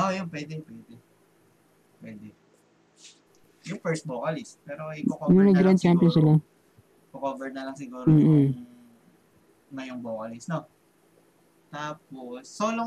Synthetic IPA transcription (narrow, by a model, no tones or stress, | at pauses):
ʔojonpwɛːd̪ɛpwɛːd̪ɛ | pwɛːd̪ɛ | jʊŋfɛɹst̪̚boːkɐlɪst̪̚pɛːɾoɐononɐɡɡɾand̪̚t͡ʃamp̬jonsɪla | pokoːvɛɹnɐlɐŋsɪɡuːɾm̩ːʔ̩ | nɐjʊŋboːkɐlɪsno | t̪aːp̚osːoːlo